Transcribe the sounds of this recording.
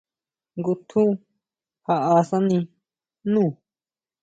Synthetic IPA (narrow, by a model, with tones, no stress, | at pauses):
ŋɡu˧t̪ʰũ˦ | ha˧a˧sã˦nĩ˧ | nũː˦˨